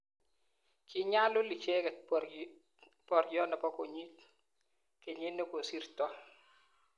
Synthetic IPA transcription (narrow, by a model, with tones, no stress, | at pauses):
kʰɪ˨ɲa˦lʊ˦li˨t͡ʃe˦kɛ˨ | pɔ˨ɾjɔ˦na˨pɔ˦ko˨ɲi˦t | ke˨ɲe˦no˦ko˨si˦rt̪ɔ˦